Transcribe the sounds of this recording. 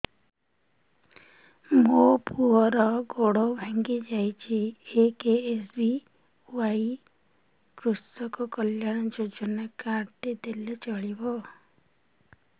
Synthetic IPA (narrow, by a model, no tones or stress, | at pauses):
mopuɦɔɾɔɡoɽɔbʱaŋɡid͡ʒajt͡ʃʰiekeesbi | wai | kɾusɔkɔkɔljãɔd͡ʒod͡ʒɔnakaɾʈ̪id̪elet͡ʃɔɭibɔ